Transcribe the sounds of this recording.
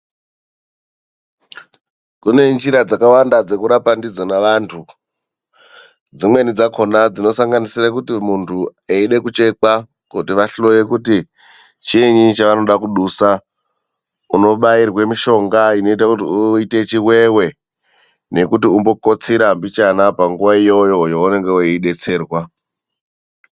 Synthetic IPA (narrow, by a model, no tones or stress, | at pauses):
kune̞nd͡ʒiɾad͡zakawandad͡ze̞kuɾapandid͡zonaʋaːntʰu | d͡zimwe̞nid͡zakʰo̞nad͡zino̞saŋɡanisirakutimuntʰueiɗe̞kut͡ʃe̞ka | kutiʋaɬlo̞jekuti | t͡ʃiɲit͡ʃaʋano̞ɗakuɗusa | uno̞ɓairwe̞miʃo̞ŋɡaino̞itakutiuite̞t͡ʃiwe̞we̞ | ne̞kutiumbo̞ko̞t͡siɾambit͡ʃanapaŋɡuʋaijo̞jo̞joune̞ŋɡeiɗe̞t͡se̞ːrwa